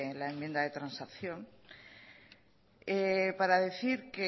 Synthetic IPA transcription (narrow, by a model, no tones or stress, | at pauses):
laemje̞nd̪aðe̞t̪ɾansakθjõ̞ŋ | epaɾaðeθiɾke